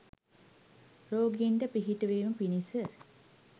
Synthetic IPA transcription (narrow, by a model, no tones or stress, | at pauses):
ɾoːɡiinɖəpiɦiʈəʋeːməpinisə